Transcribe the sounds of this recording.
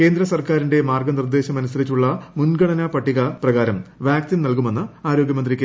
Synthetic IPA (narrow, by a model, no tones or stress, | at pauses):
ke̞ːnd̪ɾɐsɐrkaːɾinde̞maːrɡɐnird̪e̞ːɕɐmɐnusɐɾit͡ɕːuɭːɐmunɡɐɽɐnɐpɐʈːiɣɐprɐɣaːɾɐmʋjaːkt̪innɐlkume̞nːɨaːɾo̞ːɡjɐmɐnd̪rikʲːe